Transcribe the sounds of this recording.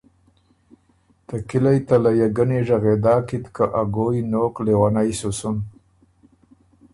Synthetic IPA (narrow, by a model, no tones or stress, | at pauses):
t̪akilajt̪alajaɡaneʐaɣed̪ɑːkit̪kaʔaɡojnoklewanajsusʊn